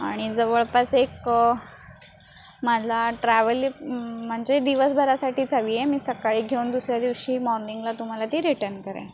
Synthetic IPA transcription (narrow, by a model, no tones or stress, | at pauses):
aɽ̃id͡zəʋəɭpasek | mad͡zaʈɾɛʋəlm̤əɳd͡ʑed̪iʋəsbʱəɾasaʈʰiːt͡saʋijemiːsəkaɭiːɡʱeund̪usɾjad̪iʋɕiːmɔɾniŋɡlat̪um̤alat̪iːɾiʈəɾnkəɾã̰